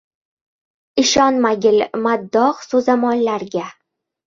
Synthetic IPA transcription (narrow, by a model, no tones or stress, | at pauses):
ɪʃɒnmaɡʲɪlmad̪ːɒqsozamɒnlaɾɡʲa